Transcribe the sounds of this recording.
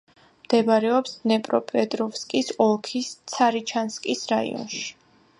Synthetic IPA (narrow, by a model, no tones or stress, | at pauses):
md̪̥ɛbɾɛɔpsnɛpʼɾɔpʼɛd̪ʼɾɔfskʼisɔlˠkʰist̪sʰaɾit͡ʃʰanskʼisɾaḭɔ̰nʃi̥